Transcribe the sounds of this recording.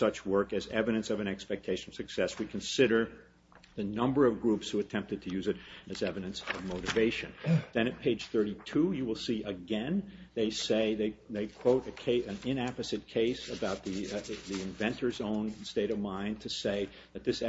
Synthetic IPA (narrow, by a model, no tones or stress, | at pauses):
sʌt͡ʃwɜ˞kɨzɛvɨɾɨ̃nsʌvɨ̃ñɛkspɛk̚tʰeɪʃn̩sɨksɛswikʰɨ̃nsɪɾə˞ | ðɨnʌ̃mbə˞ʌvɡɹupshuɨtʰɛ̃mp̚tɨd̚tʰɨjʉzɨɾɨzɛvɨɾɨ̃nsʌvmoʊɾɨveɪʃɨ̃nðɨ̃ñɨt̚pʰeɪd̥ʒ̥θɜ˞ɾitʰujɨwəlˠsiʔɨɡɛ̃nðeɪseɪðeɪðeɪkʰw̥oʊɾɨkʰeɪɨ̃nɪ̃næpɨzɨt̚kʰeɪsɨbaʊt̪̚ðiðiɨ̃ɱvɛ̃ntʰə˞zõʊ̃nsteɪɾʌvmãɪ̃ntʰɨseɪ | ðɨt̪̚ðɪs